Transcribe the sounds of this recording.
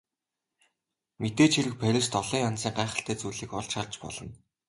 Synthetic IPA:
met̪eːt͡ɕʰiɾɘ̆k̚pʰæɾʲɪ̆st̪ɔɮiːŋant͡siːŋɢæːχə̆ɬt̪æːt͡sujɮiːkɔɮʃart͡ɕpɔ̰ɮɞ̆n

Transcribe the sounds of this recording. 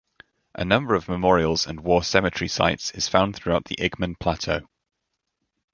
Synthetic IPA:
ʔə̰nʌ̃mbəɹəvməmɔːɹiəlˠz̥ə̰̃nwɔːsɛmɪt͡ʃɹ̥isa̰ɪtsɪz̥fãʊ̃nθɹuaʊʔðḭʔɪɡmə̃npʰl̥atʰoʊ

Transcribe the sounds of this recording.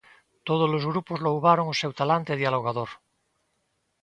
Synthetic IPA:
t̪oð̞ozlozɣɾupozlowβ̞aɾoŋosewt̪alant̪eð̞jaloɣaðoɾ

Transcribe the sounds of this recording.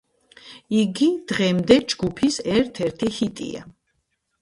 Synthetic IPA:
iɡid̪̥ʁɛmd̪ɛd͡ʒɡupʰisɛɾt̪ʰɛɾt̪ʰihit̪ʼḭa̰

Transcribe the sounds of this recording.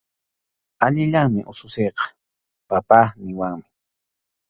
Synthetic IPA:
aʎɪʎaŋmɪʔʊsʊsejqɑ̥ | papaːnɪwaŋmɪ̥

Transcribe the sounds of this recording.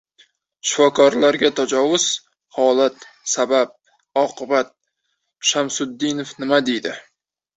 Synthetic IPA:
ʃɪ̥fɒkʰɒɾlaɾɡʲat̪ʰad͡ʒɒvʊz̥ | hɒlat̪sabap̚ | ɒqʰɨbat̪̚ | ʃamsʊd̪ːɪnofnɪmad̪ejd̪ɪ

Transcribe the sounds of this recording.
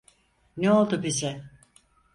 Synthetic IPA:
neo̞lˠd̪ʊbizɛ

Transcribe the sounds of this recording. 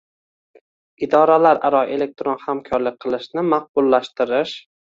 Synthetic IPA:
ɪd̪ɒɾalaɾaɾɒe̞le̞k̚t̪ɾonhamkʰɒɾlɪk̚ʲqʰɨlˠɪʃnɪmaq̚bʊlˠːaʃt̪ɪɾɪʃ

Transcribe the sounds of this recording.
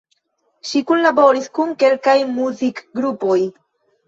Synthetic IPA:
ʃikunlabo̞ɾiskunke̞lkajmuzikɡɾupo̞j

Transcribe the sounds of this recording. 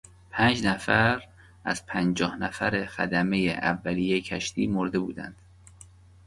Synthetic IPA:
pʰæːnd͡ʒnæfæɾ | ʔæ̰z̥pʰænd͡ʒɒːhnæfæɾexæ̰d̪æme̞jeʔæ̰vːæliːjecʰæʃt̪ʰiːmoɾd̪e̞bṵːd̪æ̰nd̪̥

